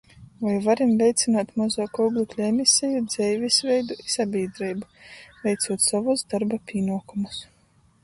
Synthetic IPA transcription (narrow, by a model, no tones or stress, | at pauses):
vajvaɾimvʲɛjt̪sʲinaːt̪mɔzɔkɔblˠiklʲuɛmʲisʲɛjud̪zɛjvʲisvʲɛjd̪uisabʲiːd̪ɾijbuvʲɛjt̪suɔt̪savusd̪aɾbapʲiːnuɔkumus